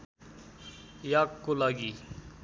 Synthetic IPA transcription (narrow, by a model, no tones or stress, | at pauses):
jaːkːolaɡi